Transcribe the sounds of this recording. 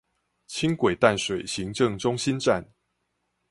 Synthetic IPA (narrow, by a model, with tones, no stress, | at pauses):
t͡ɕʰi˦˥ŋkwe˨˩ɪt̪a˥˨nʂwe˨˩ɪɕi˨˦ŋʈ͡ʂɤ˥˨ŋʈ͡ʂʊ˦ŋɕi˦nʈ͡ʂa˥˨n